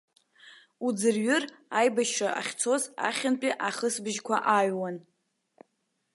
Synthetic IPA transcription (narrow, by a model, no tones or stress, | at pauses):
ud͡zɨrɥʊrajbaʃʂaʔa̰χʲt͡sʰo̞za̰χʲanpʼiʔaχəsbɨʒkʷʰaʔaɥwan